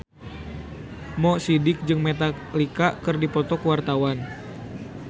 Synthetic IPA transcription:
mɔsidɪk̚d͡ʒɨŋmet̪a | likakɨrdipɔt̪ɔkəwart̪awan

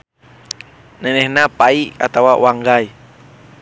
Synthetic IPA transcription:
nɛnɛhnapaiʔa̰t̪awawaŋɡai

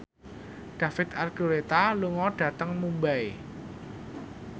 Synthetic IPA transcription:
ɖ̥ä̤fɪt̪̚arɡ̥oɾet̪aluŋɔɖ̥ä̤t̪əŋmumbaj

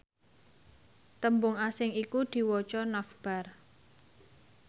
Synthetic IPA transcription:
t̪əmbʊŋasɪŋikud̪̥i̤wɔt͡ʃɔnafb̥a̤r

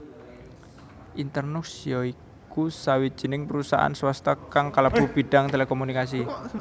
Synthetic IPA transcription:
ʔint̪ərnuksiɔi | kusawid̥d͡ʒʒ̥i̤nɪŋpəɾusa̰ʔa̰nswast̪ɔkaŋkalab̥ub̥i̤ɖ̥a̤ŋt̪elekomunikas̬i

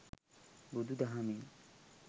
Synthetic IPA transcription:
bud̪ud̪ɐɦami

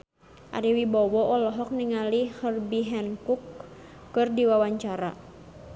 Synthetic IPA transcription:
ʔa̰ɾiwibɔwɔʔɔlɔɦɔk̚niŋalihərbiɦɛnkukː | ɨrdiwawaɲt͡ʃaɾa̰

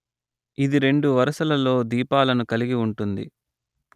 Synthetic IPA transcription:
id̪iɾe̞ɳɖuʋɐɾɐsɐlɐlo̞ːd̪iːpaːlɐnukɐliɡiuɳʈund̪ḭ

